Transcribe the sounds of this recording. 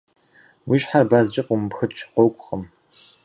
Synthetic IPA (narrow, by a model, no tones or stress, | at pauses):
wiːʃħarbazt͡ʃʼɪqʷʼʊmpxɨt͡ʃʰqʷokʷʼχəm